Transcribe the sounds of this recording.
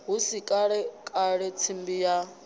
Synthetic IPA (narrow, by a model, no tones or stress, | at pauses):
ɦusikʼaɺɛkʼaɺɛt͡sʰimbija